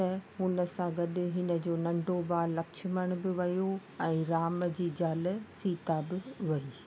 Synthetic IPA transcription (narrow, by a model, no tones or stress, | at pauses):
ɐɦʊnəsãɡɐɗɪɦɪnə̆d͡ʑoːnɐ̃ɳɖobaːlːɐkʃɪməɽ̃bɪʋɐjoɛ̃ːɾaːməd͡ʑiːd͡ʑaːlsiːt̪abɪʋɐiː